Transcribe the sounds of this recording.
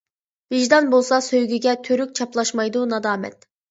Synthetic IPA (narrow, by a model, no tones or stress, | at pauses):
vɪʒd̪ɑnbolˠsɑsøjɡʲyɡʲɛt̪ʰøɾyk̚ʲt͡ʃʰɑplˠɑʃmɑjd̪unɑd̪ɑːmɛ̰t̪